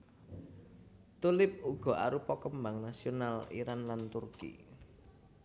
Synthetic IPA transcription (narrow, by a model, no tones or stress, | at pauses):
t̪ulɪp̚uɡ̥ɔ̤ʔa̰ɾupɔkəmbaŋnasionalḭɾanlant̪urkḭ